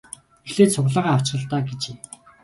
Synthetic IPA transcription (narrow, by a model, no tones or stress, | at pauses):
exɮeːt̪sʰʊʁɮaːʁaːaw̥t͡ɕ̆ə̆ɮt̪aːɡet͡ɕeː